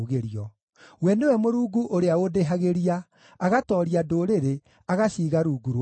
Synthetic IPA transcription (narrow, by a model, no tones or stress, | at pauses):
ɣeɾiɔ | wɛnewɛmoɾuːɡuʔoɾeaodeɦaɣeɾiaː | ɣatɔːɾiadoːɾeɾe | aɣaɕiːɣaɾuːɡuɾ